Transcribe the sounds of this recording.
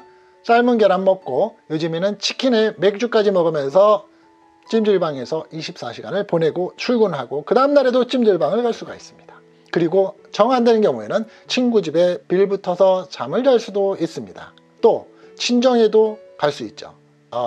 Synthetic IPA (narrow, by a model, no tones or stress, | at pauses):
s͈aɭmunɡeɾanmʌk̚k͈ojod͡ʑɯminɯnt͡ɕʰi̥kʰine̞me̞k̚t͡ɕ͈uk͈̚ad͡ʑimʌɡɯmjʌns̬ʰʌ | t͡ɕ͈imd͡ʑɯɭbaŋe̞sʰʌiɕʰip̚s͈aɕʰiɡa̰nɯɭpone̞ɡot͡ɕʰuɭɡunɯɭɦaɡokɯdaɯmdaɾe̞dot͡ɕ͈imd͡ʑɯɭbaŋɯɭkʌɭs͈uɡais͈ɯ̥mɲid̥ḁ | kɯɾiɡo | t͡ɕʌŋɦandwenɯnkjʌŋue̞nɯn | t͡ɕʰinɡud͡ʑibe̞piɭbutʰʌsʰʌt͡ɕamɯɭd͡ʑʌɭs͈udois͈ɯmɲida̰ | t͈o | t͡ɕʰind͡ʑʌŋe̞dokaɭs͈uit̚t͡ɕ͈o̰